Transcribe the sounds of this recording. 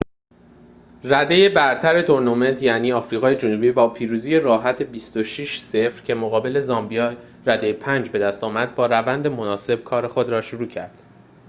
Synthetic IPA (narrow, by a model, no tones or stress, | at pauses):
ræd̪e̞je̞bæɾt̪ʰæɾe̞t̪ʰo̞ɾnume̞nt̪ʰjæniːɒːfɾiːɣɒːje̞d͡ʒonuːbiːbɒːpʰiːɾuːziːje̞ɾɒːɦæt̪ʰe̞bist̪o̞ʃiʃse̞fɾcʰe̞moɣɒːbe̞le̞zɒmbijɒː | ræd̪e̞jepʰænd͡ʒbe̞d̪æst̪ɒːmæd̪̚bɒːɾævænd̪e̞mo̞nɒːse̞b̥̚kʰɒːɾe̞xo̞d̪ɾɒːʃuɾuːcʰæ̰ɾd̪̥